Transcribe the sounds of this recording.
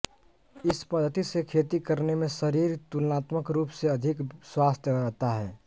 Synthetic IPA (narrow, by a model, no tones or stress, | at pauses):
ɪspəd̪ʱːət̪isekʰeːt̪ikəɾnemẽsəɾiːɾt̪ulnaːt̪məkɾuːpseɐd̪ʱɪkswaːst̪ʰjəbəɾət̪aɦɛː